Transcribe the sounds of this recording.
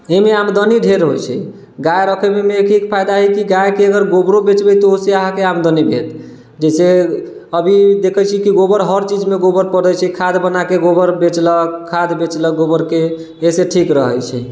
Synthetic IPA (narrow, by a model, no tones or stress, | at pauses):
emeamd̪əniɖʱeɾɦojt͡ʃʰɛ̰ | ɡajɾəkʰəmemekʰikpʰajd̪aɦɛkiɡajkeəɡəɾɡobɾobet͡ʃbɛt̪ɔoseaɦãkeamd̪ənibʱḛt̪ | d͡ʒɛse | əbʱid̪ekʰət͡ʃʰikiɡobəɾɦəɾt͡ʃid͡ʒmeɡobəɾpəɾd̪ət͡ʃʰɛkʰad̪bənakeɡobəɾbet͡ʃləkʰːad̪bet͡ʃləɡobəɾke | eseʈʰikɾəɦəjt͡ʃʰɛ̰